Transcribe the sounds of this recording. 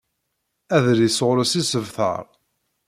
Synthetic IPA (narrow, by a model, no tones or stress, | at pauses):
æðɾisʁʊɾəsisəvθə̰ɾˤ